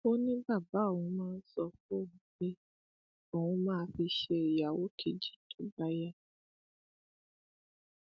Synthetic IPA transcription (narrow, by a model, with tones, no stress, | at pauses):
o˦nĩ˦ba˦˨ba˨˦o˨wũ˧mãː˦˧n̩˦sɔ˧fo˦o˦˨nũ˨˦k͡pe˦ | o˦˨wũ˧mãː˦˧˦fi˧ʃe˧i˨ja˨wo˦kʰe˨d͡ʒi˦˨tõ˨˦ba˦ja˦˨